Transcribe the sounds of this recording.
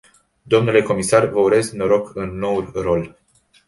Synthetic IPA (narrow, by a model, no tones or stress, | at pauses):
d̪o̞mnule̞ko̞misarvəuɾe̞zknoɾo̞kɨnːo̞wulro̞l